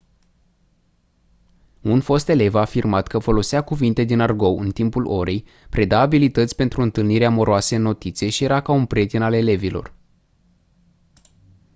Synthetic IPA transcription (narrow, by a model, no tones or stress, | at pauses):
unfo̞st̪e̞le̞vaːfirmat̪kəfo̞lo̞siakuvint̪e̞d̪inarɡo̞wɨnt̪impulo̞ɾe̞j | pɾed̪aːbilit̪ət̪sʲpe̞nt̪ɾuɨnt̪ɨlniɾeamo̞ɾoasəɨnːo̞t̪it̪sie̞ʃije̞ɾakaunpɾe̞t̪inale̞le̞vilo̞̰r